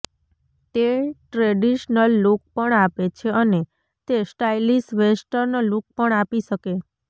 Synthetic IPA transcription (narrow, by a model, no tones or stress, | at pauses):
t̪eʈɾeɖiʃnəlːuk̚pəɳapet͡ʃʰeəne | t̪esʈailisʋesʈəɾnoluk̚pəɳapiʃəke